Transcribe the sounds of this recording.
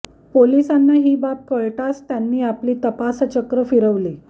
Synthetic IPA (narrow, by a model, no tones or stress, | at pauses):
polisanːaɦiːbap̚kəɭʈast̪janːiːapliːt̪əpast͡ɕəkɾəfiɾəʋliː